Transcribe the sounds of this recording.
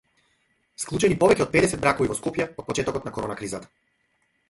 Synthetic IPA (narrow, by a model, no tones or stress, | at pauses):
sklˠut͡ʃɛnipɔvɛcɛɔt̪̚pɛd̪ɛsɛd̪bɾakɔvivɔskɔpjaɔt̪̚pɔt͡ʃɛt̪ɔkɔt̪nakɔɾɔnakɾizat̪ḁ